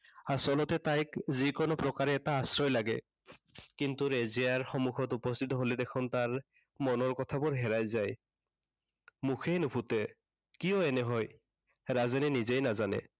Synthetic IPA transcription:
asɔlɔtɛtajkzikɔnɔpɹɔkaɹɛːtaasɹɔjlaɡɛ̰ | kintuɹezijaɹxɔmuxʰɔtupɔst̪ʰit̬ɔɦolɛdɛkʰɔntaɹ | mɔnɔɹkɔtʰabɔɹɦɛɹajzaj | muxʰejnupʰutɛ | kijɔɛnɛɦɔj | ɹazanɛnizejnazanɛ̰

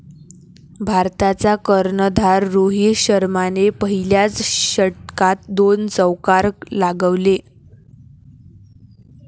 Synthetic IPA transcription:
bʱaɾt̪at͡sakəɾɳəd̪ʱaɾːoɦiɕəɾmanepəɦiljat͡sɕəʈkat̪d̪ont͡səwkaɾlaɡəʋle

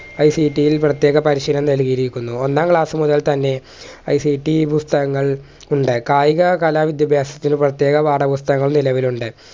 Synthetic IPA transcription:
ɐjsiːʈːijilprɐt̪ːjeːɣɐpɐɾiɕilɐmnɐlɣiiɾikʲːunːuo̞nːaːmkɭaːsɨmuðɐlt̪ɐnːe̞ | ɐjsiʈːipust̪ɐɣɐŋːɐɭ | uɳɖɨkaːjiɣɐkaːlaːʋid̪jɐbʱjaːsɐt̪ːinɨprɐt̪je̞ːɣɐʋaːɖɐbust̪ɐɣɐŋːɐɭunilɐʋiluɳɖɨ

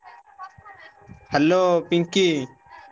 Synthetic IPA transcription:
həloːpɪŋkiː

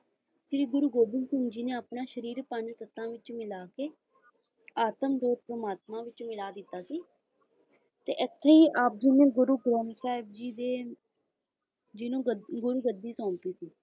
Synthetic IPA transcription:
sɪɾiːɡʊɾuːɡoːbɪlsɪŋɡd͡ʒiːneːapnãːʃəɾiːɾpəɲd͡ʒsət̪ːãːʋɪt͡ʃmɪlaːkeː | aːt̪əmɖʱoːɾpɾəmaːt̪mãːʋɪt͡ʃmɪlaːd̪ɪt̪ːaːsiː | t̪ḛːʔɪt̪ʰːeːiːʔaːp̚d͡ʒiːnẽːɡʊɾuːɡɾɛ̃ːɳsaːɪb̚d͡ʒiːd̪eː | d͡ʒɪnũːɡʊɾuːɡəd̪ːiːsɔ̃ːmpiːsiː

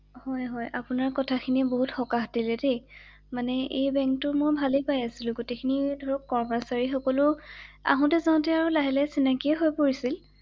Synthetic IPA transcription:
hɔjɦɔjʔapʊnaɹkɔtʰakʰiniboɦutxɔkaxdilɛdej | manɛʔejbɛŋk̚tʊmojbʱalepajasilʊ̃ɡotekʰinidʱɔɹɔkːɔɹmasaɹixɔkɔlʊa̰ɦɔ̃tɛzaʊ̃tɛaɹʊlaɦɛlɛsinakiɛɦojpoɹisil

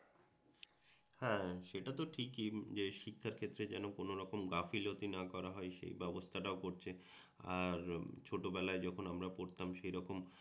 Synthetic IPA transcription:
hɛ̃ʃeʈat̪oʈʰikid͡ʑeʃikʰːaɾkʰet̪ːɾed͡ʑɛnokonoɾɔkomɡafilot̪inakɔɾaɦɔeʃḛjbɛbost̪ʰaʈaokoɾt͡ɕʰe | aɾt͡ɕʰoʈobɛlaed͡ʑɔkʰonamɾapoɾt̪amʃejɾɔkom

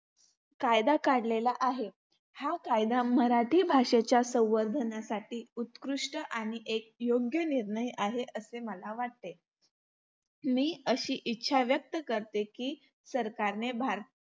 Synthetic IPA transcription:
kajd̪akaɽlelaʔaɦe | hakajd̪aməɾaʈʰiːbʱaʂet͡ɕjasə̃w̃ʋəɾd̪ʱənasaʈiːut̪kɾuʂʈəʔaɽ̃iʔek̚joɡjəniɾɳəjʔaɦeʔəseməlaʋaʈ̚t̪e | miːəɕiːʔitːɕʰaʋjək̚t̪əkəɾt̪ekiː | səɾkaɾnebʱaɾ

